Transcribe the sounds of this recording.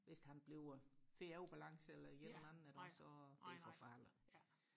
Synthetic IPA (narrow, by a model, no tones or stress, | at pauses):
ʋe̝sd̥hænb̥le̝ʊfe̝æʊb̥ælɑ̈ŋsəelɐjelenænn̩æɐɾ̥ɒɒ̥efɒfɑlə